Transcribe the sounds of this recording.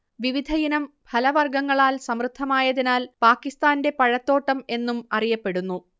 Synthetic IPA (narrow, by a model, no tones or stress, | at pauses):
ʋiʋid̪ʱɐjinɐm | bʱʰɐlɐʋɐrɡɐŋːɐɭaːlsɐmrɨd̪ʱːɐmaːjɐðinaːlpaːkːist̪aːnde̞pɐɻɐt̪ːo̞ːʈːɐme̞nːumɐrijɐpːe̞ɽunːu